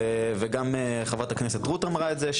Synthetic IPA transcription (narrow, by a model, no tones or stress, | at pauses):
veɡameχavat̪akneset̪ʁut̪emaʁaetzeʃ